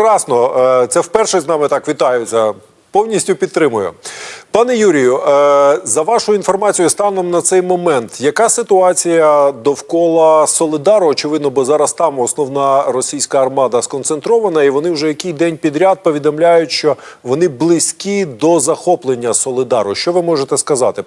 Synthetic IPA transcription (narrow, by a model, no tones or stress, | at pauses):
kɾɑsnɔt̪sɛwpɛrʃɛznɑmɪt̪ɑkʋʲit̪ɑjʊt͡sʲɐ | pɔwnʲisʲtʲʊpʲid̪t̪ːɾɪmʊjʊ̰pɑnɛjuɾʲijʊ | zɐʋɑʃʊjʊinfɔrmɑt͡sʲijʊst̪ɑwnɐmnɐt̪sɛjmɔmɛnt̪jɐkɑsɪt̪ʊɑt͡sʲijɐd̪ɔwkɔlˠɐsɔlʲˠɪd̪ɑɾʊɔt͡ʃɪʋɪd̪nɔbɔzɑɾɐst̪ɑmɔsnɔwnɑrɔsʲijsʲkɐːrmɑd̪ɐskɔnt̪sent̪ɾɔʋɐnɐiʋɔnɪwʒɛjɐkɪjd̪ɛnʲpʲid̪ɾʲad̪̚pɔʋʲid̪ɔmlʲajʊtʲʃt͡ʃɔʋɔnɪblˠɪsʲkʲid̪ɔzɐxɔplˠenʲːɐsɔlˠɪd̪ɑɾʊʃt͡ʃɔʋɪmɔʒet̪ɛskɐzɑt̪ɪ